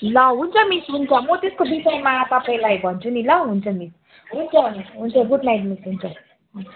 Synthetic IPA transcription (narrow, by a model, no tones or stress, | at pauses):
lʌɦunt͡sʰʌmisɦunt͡sʰʌmʌt̪eskobisʌjmat̪ʌpaĩlajbʱʌnt͡sʰunilʌɦunt͡sʰʌmis | ɦunt͡sʰʌniɦunt͡sʰʌɡuɖnajʈ̬misɦunt͡sʰʌ